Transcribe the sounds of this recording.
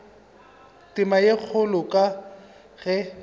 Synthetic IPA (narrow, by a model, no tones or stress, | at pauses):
tʼɪmajek͡xʰʊlʊkʼa | ɣɛ